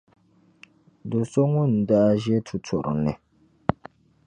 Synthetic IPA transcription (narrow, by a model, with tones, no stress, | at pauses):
do˨so˦ŋʊ˦˨n̩˨da˦ʒɛ˦tʰu˨tʰɔ˨ɾʊ̰˨nɨ˨